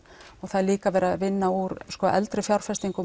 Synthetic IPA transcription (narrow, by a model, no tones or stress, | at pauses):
ɔɣθaðliːkavɛːɾaðvɪnːauɾskɔːʔɛ̰lt̪ɾɪfjawɾ̥fɛst̪iŋkʏ